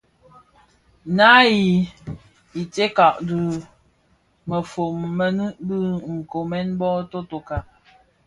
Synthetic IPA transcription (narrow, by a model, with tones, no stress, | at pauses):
na˦ji˨ | i˨te˦ka˨ʔdɨ˦ | mə˨fo˨mːə˦nɨ˦bɨ˦˨ŋ̩˨ko˨mɛ˦nbɔ˦to˦to˨ka˨ʔ